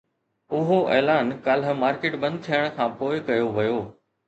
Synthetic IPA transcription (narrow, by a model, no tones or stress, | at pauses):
ʊɦoʔɛːlaːnkaːlɦəmaːɾkeːʈbɐ̃nd̪̚t̪ʰijəɽ̃̆kʰãːpoːɪkɐjoʋɐjoː